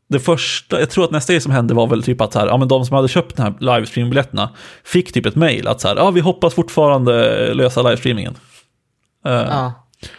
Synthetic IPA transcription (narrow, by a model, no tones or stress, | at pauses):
d̪ɛfœʂʈajɑːɡt̪ʰɾuːɾat̪̚nɛst̪aɡeːsɔmɦɛnd̪əvaɾvɛlt̪ʰyːpat̪sæ̰ːɾʔɑ̰ːmɛnd̪ɔmsɔmhad̪ːəɕøːp̚t̪ɔmhæːlajvst̪ɾiːmɪŋmbɪljɛt̪ːəna̰fɪkːt̪ʰyːpɛt̪mɛjlʔa̰t̪sæ̰ːɾʔɑːvɪɦɔpːasfʊʈːfɑːɾand̪əløːsalajvst̪ɾiːmɪŋə̰n